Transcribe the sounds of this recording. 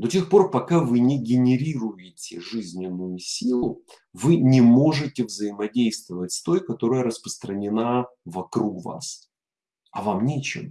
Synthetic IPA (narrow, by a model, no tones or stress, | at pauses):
d̪o̞tʲexpo̞rpɐkavɨnʲɪɡʲɪnʲɪɾʲiɾʊjɪtʲɪʐɨzʲnʲɪnːʊjʊsʲilˠʊ | vɨnʲɪmo̞ʐɨtʲɪvzəjɪmɐdʲejst̪vəvətʲst̪o̞jkɐt̪o̞ɾəjəɾəspɾəst̪ɾənʲɪnavɐkɾukva̰s | ɐvamnʲet͡ɕɪ̰m